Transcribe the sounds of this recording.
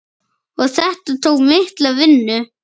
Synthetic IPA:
ɔɣθɛht̪at̪ʰowkmɪht̪lavɪnːʏ

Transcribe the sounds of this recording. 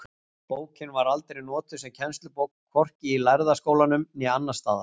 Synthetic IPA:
poːwcɪnvaɾalt̪eɾinɔːt̪ʏsɛmcʰɛnst̪lʏpowkkʰːɔr̥cɪːlajɾðaskoːwlanʏmnɛanːast̪a̰ːða

